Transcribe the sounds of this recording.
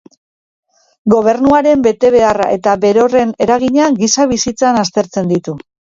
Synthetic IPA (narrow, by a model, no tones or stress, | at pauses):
ɡo̞β̞e̞ɾnuaɾe̞mbe̞t̪e̞βe̞ara̰ʔe̞t̪aβe̞ɾo̞re̞ne̞ɾaɣ̞iɲaŋɡisaβisit͡sanast̪e̞ɾt͡se̞nd̪it̪u